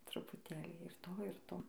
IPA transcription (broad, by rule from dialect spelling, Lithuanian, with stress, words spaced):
trʊpʊˈtʲeːlʲiː ɪr ˈtoː ɪr ˈtoː